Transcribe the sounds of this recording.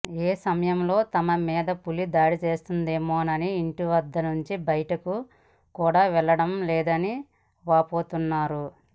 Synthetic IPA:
eːsɐmɐjɐmlo̞ːt̪ɐmɐmɛːd̪ɐpulid̪aːɽit͡ʃe̞ːst̪und̪e̞ːmoːnɐniːɳʈiʋɐd̪ːɐnuɲt͡ʃibɐjɐʈɐku | kuːɽaːʋɛɭːɐɽɐmlɛːd̪ɐni | ʋaːpo̞ːt̪unːaːɾu

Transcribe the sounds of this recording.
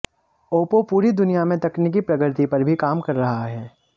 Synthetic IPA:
oːpopuːɾid̪ʊnijamẽt̪ɐkniːk̬ipɾɐɡɾt̪ipɐɾbʱikaːmkɐɾːɐɦaɦɛː

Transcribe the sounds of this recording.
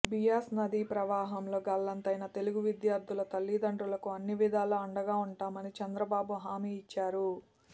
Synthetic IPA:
bijaːsnɐd̪iːpɾɐʋaːɦɐmlo̞ːɡɐlːɐnt̪ɐjnɐt̪e̞luɡuʋid̪jaːɾd̪ʰʱulɐt̪ɐlːid̪ɐɳʈɾulɐkuɐnːiʋid̪aːluɐɳɖɐɡaːuɳʈaːmɐnit͡ʃɛnd̪ɾɐbaːbuɦaːmiːit͡ʃːaːɾu

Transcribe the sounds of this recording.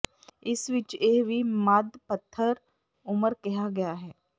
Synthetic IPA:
ɪsʋɪt͡ʃeːʋimad̪pɐt̪ʰːəɾ | ʊməɾkɛɦaɡɐjaɦɛː

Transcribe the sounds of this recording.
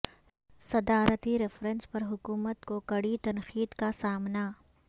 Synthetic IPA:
sɐd̪aːɾət̪iɾɪfɾə̃nspɐɾɦʊkuːmət̪kokɐɽit̪ɐnxiːd̪kasaːmna

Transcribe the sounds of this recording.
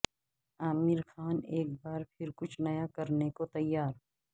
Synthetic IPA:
aːmɪɾxʰaːneːk̚baːɾpʰɪɾkʊt͡ʃʰnɐjakɐɾnekot̪ɐjːaːɾ

